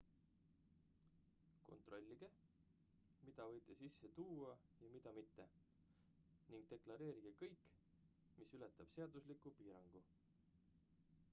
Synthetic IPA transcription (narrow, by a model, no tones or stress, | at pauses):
ko̞̰nt̪ˑro̞lʲːiɡ̥e̞ | mid̪̥ɑvɤjt̪ˑːe̞sisːe̞t̪uːwɑjɑmid̪̥ɑmit̪ːe̞ | niŋɡ̥̚t̪e̞klɑɾe̞ːɾiɡ̥e̞kɤjkː | misylet̪ːˑɑb̥se̞ɑd̪uslikːˑupiːɾɑŋɡ̥u